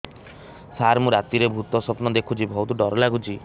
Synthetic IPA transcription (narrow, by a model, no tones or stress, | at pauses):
saɾmuɾat̪iɾebʱut̪ɔsɔpnɔd̪ekʰut͡ʃʰibʱɔwt̪uɖɔɾɔlaɡut͡ʃʰi